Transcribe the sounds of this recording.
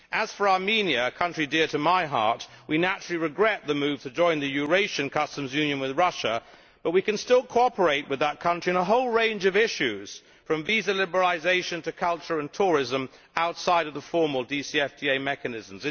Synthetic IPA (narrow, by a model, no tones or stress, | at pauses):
ʔɨz̥fə˞ɑɹmĩniɨkʰʌ̃nt͡ʃɹ̥idɪɹɾɨmaɪɦɑ̰ɹt̚ | winæt͡ʃɹ̥l̩ˠiɹɨɡɹɛt̪̚ðɨmʉv̥tʰɨd͡ʒɔ̃ɪ̃nðɨjʉɹeɪʃɨ̃nkʰʌstɨ̃mzjʉ̃njɨ̃nwɨðɹʌʃə | b̥ʌt̚wikɨ̃nstɪlˠkʰoɑpə˞eɪʔ̚wɨðət̚kʰʌ̃nt͡ʃɹ̥iɨ̃ñəɦoʊlˠɹẽɪ̃nd͡ʒʌvɪʃʉz̥ | fɹʌ̃ɱvizɨlɪbə˞l̩ˠɨzeɪʃɨ̃ntʰɨkʰʌlˠt͡ʃə˞ɨ̃ntʰʊɹɪzə̃m | aʊtsaɪɾʌvðəfɔɹml̩ˠdisiɛftʰieɪmɛkɨnɪz̃m̩zɨ̃